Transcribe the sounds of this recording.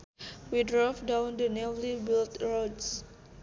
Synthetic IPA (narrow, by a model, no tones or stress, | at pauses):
widɹɔvdãwndənɛvlibilt̪ɹods